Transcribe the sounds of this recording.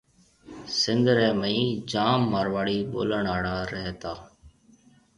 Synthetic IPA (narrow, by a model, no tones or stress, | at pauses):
sɪnd̪ʱɾɛːməĩːd͡ʒaːmːaːɾʋaːɽiːɓo̰ːləɳaːɽaːɾɛɦt̪aː